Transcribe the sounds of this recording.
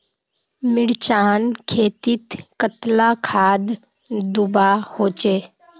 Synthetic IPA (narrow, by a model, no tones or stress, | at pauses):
mɪɽt͡ʃaːnkʰeːt̪ɪt̪kət̪lakʰaːd̪ | d̪ʊbahoːt͡ʃeː